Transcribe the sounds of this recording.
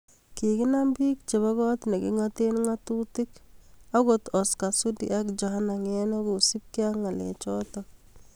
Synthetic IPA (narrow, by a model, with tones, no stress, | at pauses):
ki˨kɪ˦na˦mbi˦k̚t͡ʃe˨βa˦ɣɔ˦t̪ne˨kḭ˦ŋa˦tenŋa˦tuti˦ka˦ɡotɔ˨ska˨su˦dḭ˨a˦kd͡ʒɔ˨ha˦na˨ŋɛ˦na˦ɡu˨si˦p̚ki˦a˦ŋa˨lɛ̰˨t͡ʃɔtɔ